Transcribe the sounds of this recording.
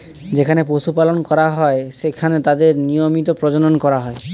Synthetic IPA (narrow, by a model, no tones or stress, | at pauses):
d͡ʑekʰanepoʃupalonkɔɾaɦɔeʃekʰanet̪ad̪eɾnijomit̪opɾod͡ʑononkɔɾaɦɔe